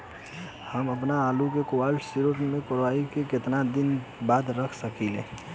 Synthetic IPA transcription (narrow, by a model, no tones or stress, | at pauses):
həməpnaːlukekowaːlʈsiɾoʈmẽkoɾaikekɪt̪nad̪ɪnbaːd̪ɾəkʰsəkilḛ